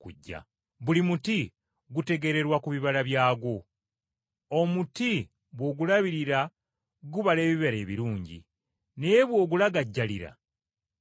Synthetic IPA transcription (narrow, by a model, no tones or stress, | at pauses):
kuɟːa̰ | βulimuti | ɡute̞ɡe̞ɾe̞ɾwakuβiβalaβjaːɡo̞ | omuti | βwo̞ɡulaβiɾiɾa | ɡuβale̞ːβiβeɾe̞ːβḭɾuːɲɟḭ | nejeβwo̞ːɡulaɡaɟːaliɾa̰